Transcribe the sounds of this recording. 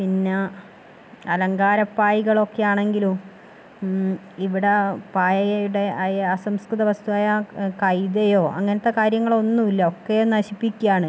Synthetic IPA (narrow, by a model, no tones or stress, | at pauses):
pinːe | ɐlɐŋɡaːɾɐpːaːjiɣɐɭo̞kːejaːɳe̞ŋɡilu | iʋiɽepaːjɐjɐjuɽe̞ɐsɐmskrɨðɐʋɐst̪uʋaːjɐkɐjd̪ejo̞ːʔɐ̰ŋːɐnɐt̪ːe̞kaːɾjɐŋːɐɭo̞nːumilːɐo̞kːejoːnɐɕipːikʲːujaːɳɨ